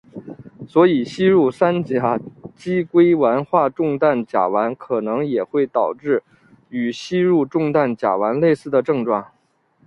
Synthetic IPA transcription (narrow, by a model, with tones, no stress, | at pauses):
swɔ˧˥i˨˩ɕi˥ɻu˥˩sa˥nt͡ɕja˨˩t͡ɕi˥kwe˥ɪwa˧˥nxwa˥˧ʈ͡ʂʊ˥˧ŋt̪a˥˩nt͡ɕja̰˨˩wa˧˥nkʰɤ˨˩nɤ˧˥ŋjɛ˨˩xwe˥˩ɪt̪ɑ˨˩ʊʈ͡ʂɻ̩˥˩ | y˨˩ɕi˥ɻu˥˧ʈ͡ʂʊ˥˧ŋt̪a˥˩nt͡ɕja̰˨˩wa˧˥nle˥˧ɪsɹ̩˥˩d̪ə˩ʈ͡ʂɤ˥˧ŋʈ͡ʂwɑ˥˩ŋ